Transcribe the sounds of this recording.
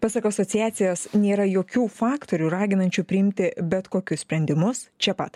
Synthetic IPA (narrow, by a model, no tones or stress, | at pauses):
pɑsɐkoɐsɔt̪sʲɪjæːt̪sʲɪjoːsnʲeːɾɐjoːkʲuːfɑːkt̪oːɾʲuːɾɑːɡʲɪnɐnʲt͡ʃʲupʲɾʲɪɪmʲt̪ʲɪbʲɛt̪koːkʲʊssʲpʲɾʲɛnʲd̪ʲɪmʊst͡ʃʲɛpɐ̰t̪